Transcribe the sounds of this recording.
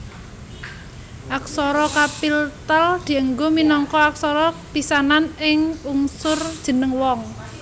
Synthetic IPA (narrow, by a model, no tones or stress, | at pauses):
ʔaksɔɾɔkapilt̪əld̪̥i̤əŋɡominɔŋkɔak̚sɔɾɔpisananɪŋuŋsʊrd̥ʒ̥ə̤nəŋwɔŋ